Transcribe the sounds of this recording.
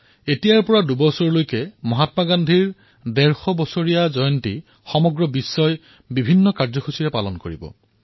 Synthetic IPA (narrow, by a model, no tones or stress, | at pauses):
etijaɹpɔɹadubɔsɔɹlojkɛmɔɦatmaɡandʱiɹ | dɛɹxɔbɔsoɹijazɔjɔnti | xɔmɔɡɹɔbisːɔj | bibʱinːɔkaɹzɔxʰusiɹɛpalɔnkoɹibɔ̰